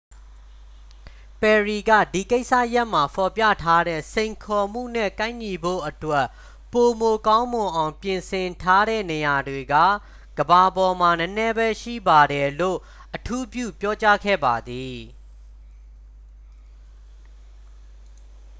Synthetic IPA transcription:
pɛ˨ɹi˨ɡä̰˦˨di˨ke˦ɪʔsa̰˦˨ja˦ʔm̥a˨pʰɔ˨pja̰˦˨tʰa˦ɾɛ̰˦˨sẽ˨ɪ̃ŋkʰɔ˨m̥ṵ˦˨n̥ɛ̰˦˨kã˦ɪ̃ɲi˨bo̰˦˨ʔətwɛ˦˨ʔ | po˨mo˨kã˦ʊ̃mʊ̃˨ʔã˨ʊ̃pjɪ̃˨nsɪ̃˨ntʰa˦ɾɛ̰˦˨ne˨ja˨dwe˨ɡä̰˦˨ | ɡ̥əba˨bɔ˨m̥a˨nə˦nɛ˦bɛ˦ʃḭ˦˨ba˨ɾɛ˨lo̰˦˨ | ʔətʰu˦pjṵ˦˨pjɔ˦t͡ɕa˦ɡʰɛ̰˦˨ba˨d̪i˨

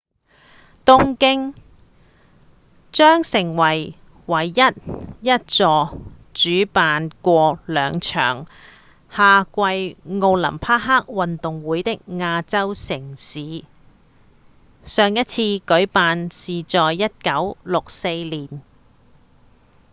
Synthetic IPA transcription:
t̪ʊ˥ŋkɪ˥ŋ | t͡ʃœː˥ŋsɪ˨˩ŋwɐ˨˩j | wɐ˨˩jːɐ˥t̚jɐ˥t̚t͡sɔː˧ | t͡ʃyː˨˥paː˨nkʷɔː˧lœː˨˧ŋt͡ʃʰœ̰ː˨˩ŋ | haː˨˧kʷɐ˧jŋo˧wlɐ̰˨˩mpʰaː˥ɦaː˥k̚wɐ˨nt̪ʊ˨˩ŋwuː˨˧˥jt̪ɪ˥k̚ŋaː˧t͡sɐ˥wsɪ˨˩ŋsiː˨˧˥ | sœː˨ŋjɐ˥t̚t͡sʰiː˧kɵ˨˥ɥpaː˨nsiː˨t͡sɔː˨jjɐ˥t̚kɐ˨˥wlʊ˨k̚se˧jliː˨˩n

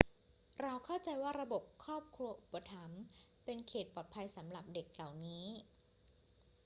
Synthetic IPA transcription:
ɾa˧wkʰa˥˩wt͡ɕa˧jwaː˥˩ɾa˧bo˨˩p̚kʰɔː˥˩p̚kʰɾu˧ɐʔu˨˩pːa˧t̪ʰa˩˦mpe˧nkʰeː˨˩t̪̚pɔː˨˩t̪̚pʰa˧jsa˩˦mɾa˨˩p̚de˨˩k̚la˨˩wniː˦˥

